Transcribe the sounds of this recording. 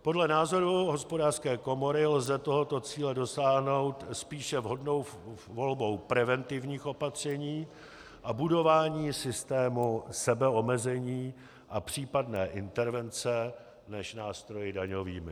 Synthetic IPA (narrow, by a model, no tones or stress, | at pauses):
po̞dlɛnaːzo̞ɾuɦo̞spo̞daːrskɛːko̞mo̞ɾɪlzɛt̪o̞ɦo̞t̪o̞t͡siːlɛdo̞saːɦno̞wt̪spiːʃɛvɦo̞dno̞wvo̞lbo̞wpɾɛvɛnt̪ɪvɲiːxo̞pat̪r̝̥ɛɲiː | ʔabudo̞vaːɲiːsɪst̪ɛːmusɛbɛo̞mɛzɛɲiː | ʔapr̝̥iːpadnɛːʔɪnt̪ɛɾvɛnt͡sɛ | nɛʃnaːst̪ɾo̞jɪdaɲo̞viːmɪ